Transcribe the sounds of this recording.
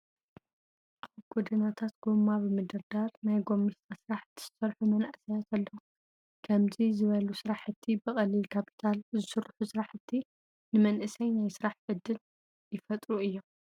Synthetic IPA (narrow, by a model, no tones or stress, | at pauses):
ʔaβɡ̥od̪inat̪ʰat̪ɡomːaβɨmɨd̪ɐɾd̪aɾnajɡo̞mːist̪ʼasɨɾaħt̪ʰːɨ̥ssɐɾħumɐnaʔsɐjat̪ʰɐlːɐwu | kʰɐmzizɨβɐlusɨɾaħɨt̪ʰːibɨkʼɐlːilkʰapʰi̥t̪ʰalzɨsɨɾħusɨɾaħɨt̪ʰːi | nɨmɐnʔɨsɐjnajsɨɾaħʕɨd̪ɨn | jɪfɐt̪ʼɾuɨjːom